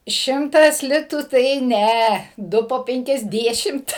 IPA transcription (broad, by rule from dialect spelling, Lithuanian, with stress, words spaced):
ˈʃʲɪmtɐs ˈlʲɪtuː tɐɪ ˈnʲɛ ˈdʊ poː ˌpʲɛŋʲkʲɛzʲˈdʲæːʃʲɪmt